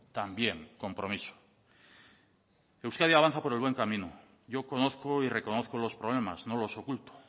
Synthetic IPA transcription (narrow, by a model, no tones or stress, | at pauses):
t̪ambje̞ŋko̞mpɾo̞miso̥ | ewskaðjaβan̟θapo̞ɾe̞lβwe̞ŋkamĩno | ʝo̞ko̞no̞θko̞ire̞ko̞no̞θkolo̞spɾo̞β̞le̞mazno̞lo̞so̞kult̪o̥